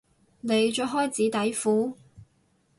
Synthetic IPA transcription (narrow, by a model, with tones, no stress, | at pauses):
ne˨˧jt͡ʃœː˧˥ɦɔː˥jt͡siː˨˥t̪ɐ˨˥jfuː˨˥